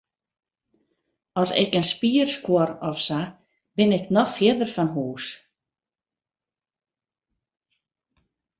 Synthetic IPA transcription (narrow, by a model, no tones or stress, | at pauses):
ɔsɪ̰kənspiərskwɔɾɔfsa | b̥ɪnɪknɔxfjɪdərfanɦuːs